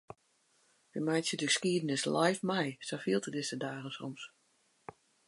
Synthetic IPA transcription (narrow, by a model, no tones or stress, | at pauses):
ʋəmajsjədəxə̥skiədənɪslajfmɛjsofiəlˠtədɪsədaːɣəsɔ̰ms